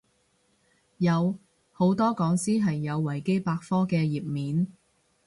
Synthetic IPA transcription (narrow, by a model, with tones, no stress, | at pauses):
jɐ˨˧w | ho˨˥wt̪ɔː˥kɔː˨˥ŋsiː˥ɦɐ˨jːɐ˨˧wːɐ˨˩jke˥jpaː˧k̚fɔː˥kɛː˧jiː˨p̚miː˨˥n